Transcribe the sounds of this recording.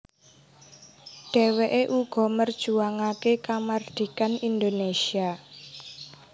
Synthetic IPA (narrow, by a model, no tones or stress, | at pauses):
ɖ̥ɛ̤weʔeʔuɡ̥ɔ̤mərd̥ʒ̥uaŋakekamard̪̥i̤kanind̪onesia